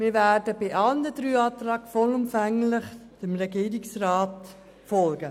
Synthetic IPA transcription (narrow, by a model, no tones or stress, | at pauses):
mɪːɾvædəbɪʔɑlndədɾyːɑːt̪rɑːkfɔlʊmfæŋlɪχd̥əmɾɛɡiːɾɪksrɑːt | fɔlɡə